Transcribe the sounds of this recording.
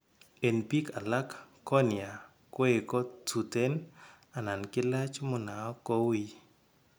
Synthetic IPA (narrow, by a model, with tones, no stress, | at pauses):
e˨npi˦kʰa˨la˦kkːɔ˦nɪ˨a˨ | kwe˦e˨kɔ˦tu˨te˦n | a˨na˨nkɪ˦la˦t͡ʃmʊ˨na˨ɔ˦kɔ˦wi˦